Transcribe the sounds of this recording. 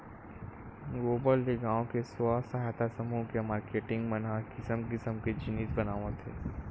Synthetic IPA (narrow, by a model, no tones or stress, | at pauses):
ɡoːbəlːeɡãːõkeswasɐɦajt̪asɐmukemaːɾkeːʈɪ̃ŋɡmɐnakɪsəmkɪsəmked͡ʒɪniːt̪bɐnaːʋə̃t̪ʰḛː